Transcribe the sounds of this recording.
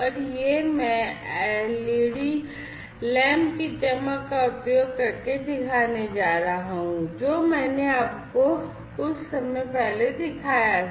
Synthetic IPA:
ɔːɾjemɛ̃ | liːɽi | lɛ̃ːmbkit̪ɛməkkːaʊpjoːɡ̚kɐɾked̪ɪkʰaːned͡ʒaːɾaɦũd͡ʒoːmɛ̃ːneaːp̚ko | kʊt͡ʃʰsɐməjpɛɦled̪ɪkʰaːja

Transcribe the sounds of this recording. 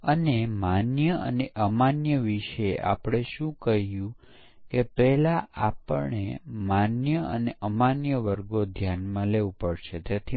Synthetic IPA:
ənemanjəə̰neʔəmanjəʋiʃʔa̰pɽ̃eʃũkəɦjũ | kepɛɦlaʔapə̰ɳḛmanjəə̰neʔəmanjəʋəɾɡod̪ʱjanmãleʋũpəɽʃet̪et̪ʰi

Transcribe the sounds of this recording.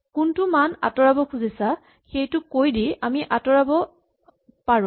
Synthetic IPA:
kʊntumana̰tɔɹabɔkʰuzisa | xejtʊkojdiamiʔatɔɹabɔ | paɹʊ̃

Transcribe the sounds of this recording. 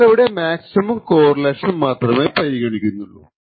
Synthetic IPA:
eʋiɽe̞maːksimɐmko̞ːrɐleːʂɐnmːaːt̪rɐmeːpɐɾiɣɐɳikʲːunːuɭːṵ

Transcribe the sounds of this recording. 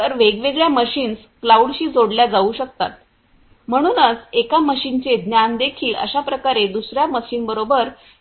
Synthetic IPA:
t̪əɾʋeɡʋeɡɭjaməɕiːns | klauɽɕiːd͡zoɽljad͡zauːɕək̚t̪a̰t̪̚ | m̤əɽ̃uːnət͡sekaməɕint͡sed̪njand̪ekʰiːlə̰ɕapɾəkaɾed̪usɾjaməɕiːnbəɾobəɾ

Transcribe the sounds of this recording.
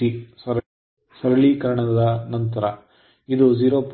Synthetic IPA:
isɐɾ | sɐɾɐɭikɐɾɐɳɐd̪ɐnɐnt̪ɐɾɐ | id̪ud͡ʒiːɾoːp

